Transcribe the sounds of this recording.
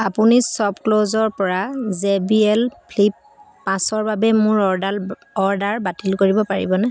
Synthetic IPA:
apunisɔb̚klozɔɹpɔɹazebiɛlpʰlipː | ãsɔɹbabɛmʊɹɔdal | ɔɹdaɹbatilkoɹibɔpaɹḭbɔnɛ

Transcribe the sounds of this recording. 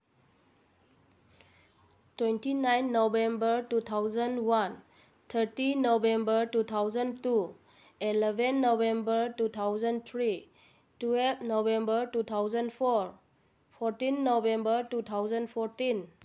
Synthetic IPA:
twentinajnːobembəɾtut̪ʰawzənwan | tʰəɾtinobembəɾtut̪ʰawzəntu | ilebenːobembəɾtut̪ʰawzənt̪ʰɾi | tuelpʰnobembəɾtut̪ʰawzənpʰɔɾ | pʰɔɾtinːobembəɾtut̪ʰawzənpʰɔɾtin

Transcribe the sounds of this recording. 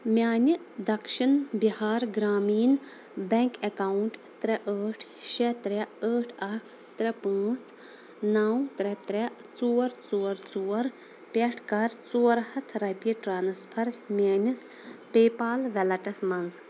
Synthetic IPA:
mʲjaːnid̪ɐkʃinbihaːɾɡɾaːmiːn | beŋkekaːwɳʈt̪ɾʲɛʔəːʈʰʃɛt̪ɾʲɛəːʈʰɐkʰ | t̪ɾʲɛpaːt͡sʰ | naːwt̪ɾɛt̪ɾʲɛ | t͡soːɾt͡soːɾt͡soːɾ | pʲeʈʰkɐɾt͡soːɾhɐt̪ʰɾɐpiʈɾaːnɐspʰɐɾʈmʲaːnis | peːpaːlʋɛlɐʈɐsmɐnz

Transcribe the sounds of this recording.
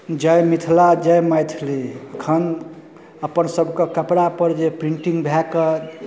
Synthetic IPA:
d͡ʒəjmit̪ʰlad͡ʒəjmət̪ʰlikʰən | əpənsəbʱkekəpɽapəɾd͡ʒepɾiɳʈiŋɡbʱɛkə

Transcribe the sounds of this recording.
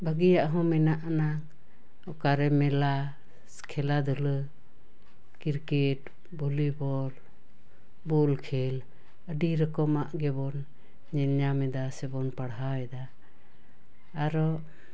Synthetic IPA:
bʱəɡijaʔɦɔ̃mɛnaʔana | ɔkaɾɛmɛla | skʰɛlad̪ɔlə | kiɾkɛʈ | bɔlibɔl | bɔlkʰɛl | əɖiɾəkɔmaʔɡɛbɔn | ɲɛnɲamɛd̪asɛbɔnpaɽɦawɛd̪a | ɾɔ

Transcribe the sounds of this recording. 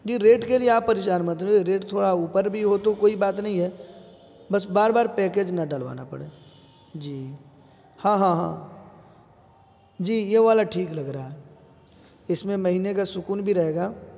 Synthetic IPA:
d͡ʒiːɾeːʈkelijeaːpːɐɾeʃaːɾmət̪ɾeeɾeːʈt̪ʰoːɽauːpəɾbʱiɦot̪okoːibaːt̪nɐɦĩɦɛː | bɐsbaːɾbaːɾpɛːkeːd͡ʒnɐɖəlʋa̰ːna̰pɐ̰ɽḛː | d͡ʒiː | hãːɦãːɦã̰ː | d͡ʒiːjeʋaːlaʈʰiːklɐɡɾaaɦɛ | ɪsmẽmɐɦiːnekasʊkuːnbʱiɾɐɦeːɡaː

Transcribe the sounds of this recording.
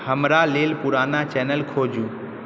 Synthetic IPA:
həmɾaleːlpʊɾaːnat͡ʃɛːnəlkʰoːd͡ʒũː

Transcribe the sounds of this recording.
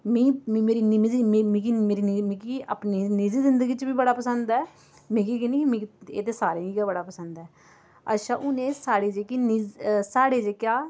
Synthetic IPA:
mĩːmːmeːɾiːnizimmĩːkimeːɾiːnimĩːkiʔə̰pneːniːziːzɪnd̪əɡiːt͡ʃbiːbəɽaːpəsənd̪ɛː | mẽːɡikinĩːmːḛːt̪eːsaːɾẽːɡikjaːbəɽaːpəsənd̪ɛː | ə̰ʃʰaːʔʊnẽːsaːɽeːd͡ʒeːkinisaːɽeːd͡ʒeːkjaː

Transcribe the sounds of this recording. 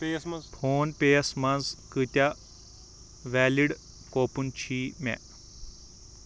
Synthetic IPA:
pesmɐpʰoːnpejɐsmɐnzkɨt̪ʲa | ʋɛːliɽ | kopunt͡ɕʰiːmɛ̰̃

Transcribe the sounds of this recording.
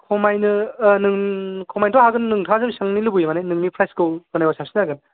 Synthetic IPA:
kʰɔmajnɯnɯŋkʰɔmajntʰɔɦaɡɯnːɯŋtʰazɯmsɯŋnilɯbujmanajnɯŋnipʰɾajskɯwɡɯnajwasasinaɡɯn

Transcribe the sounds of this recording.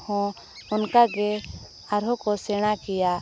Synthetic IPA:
hɔ̃ | ʊnkaɡɛ | aɾɦokɔsɛɽ̃akɪja

